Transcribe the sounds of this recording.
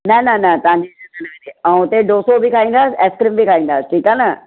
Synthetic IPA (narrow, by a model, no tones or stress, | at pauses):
nɐnɐnɐt̪ɐãɲd͡ʑetet̪ʰɐñẽneãːʊt̪eɖoːsobʱikʰaːĩːnd̪aːsɛːskɾɪmbʱikʰaːĩnd̪aːsʈʰiːkaːnɐ